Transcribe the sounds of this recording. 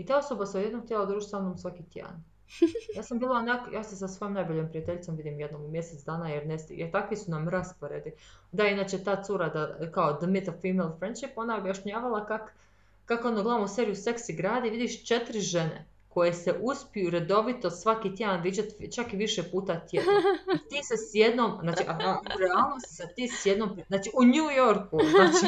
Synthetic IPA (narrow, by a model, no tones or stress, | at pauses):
it̪aːo̞sobaseod̪je̞d̪noɡ̚t̪jelˠad̪ɾuːʒit̪sanomsʋakit̪jḛa̰n | jaːsambiːlˠaonakjaːsesasʋo̞jomnajboʎempɾijat̪eʎʲit̪o̞mʋid̪imjed̪nommje̞set̪sd̪aːnajeɾnesjeɾt̪akʋisunamɾaspo̞ɾe̞d̪id̪ainaːt͡ɕet̪aːt̪suɾad̪akaod̪əmit̪ofiːmelˠfɾend̪ʃipo̞naobjaʃɲaːʋalˠakakː | akod̪oɡlˠaʋnoseːɾijuse̞ksiɡɾaːd̪iʋid̪iʃt͡ʃe̞t̪ɾiʒe̞nḛ | ko̞jese̞ʔuspijuɾe̞d̪o̞ʋit̪osʋakit̪je̞d̪anʋiːd͡ʑat̪t͡ʃakiʋiʃepuːt̪at̪jed̪t̪iːsesje̞d̪nomznaːt͡ʃiʔauɾealˠno̞st̪isat̪iːsjed̪nomp̪aːt͡ʃiuɲujoɾkuaːt͡ʃi